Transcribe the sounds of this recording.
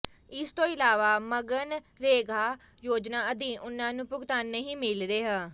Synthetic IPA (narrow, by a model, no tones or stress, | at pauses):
ɪst̪õːɪlaːʋaːməɡən | ɾeːɡʱaː | joːd͡ʒnaːəd̪ĩːʔʊnːãːnũːpʊɡt̪aːnːeɦĩːmɪlɾeːɦə̃ː